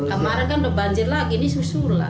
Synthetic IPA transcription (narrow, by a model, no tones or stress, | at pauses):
kəmaɾaŋkanbəbaɲd͡ʒɪrlakinisusurla̰